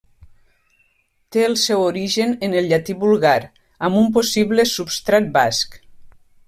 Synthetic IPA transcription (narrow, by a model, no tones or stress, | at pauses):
t̪eəlˠsɛwoɾiʒənenəlʎat̪iβulɣaɾ | amump̬osiβlesupst̪ɾat̪̚bask